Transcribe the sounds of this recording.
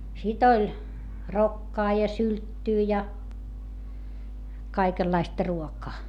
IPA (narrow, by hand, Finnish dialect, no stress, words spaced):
sit olʲ rokːɑː jɑ syltːyː jɑ kɑikelːɑistɑ̆ ruokɑː